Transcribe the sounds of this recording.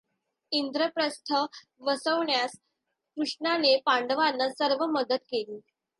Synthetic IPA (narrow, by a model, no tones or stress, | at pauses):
ind̪ɾəpɾəst̪ʰə | ʋəsəʋɳjas | kɾuʂɳanepaɳɖəʋanːəsəɾʋəməd̪ət̪keliː